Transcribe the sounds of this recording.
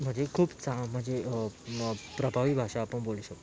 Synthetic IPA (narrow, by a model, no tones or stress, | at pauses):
m̤əɳd͡zekʰuːbt͡sam̤əɳd͡ze | pɾəbʱaʋiːbʱaʂaːpəɳboluɕək̚t̪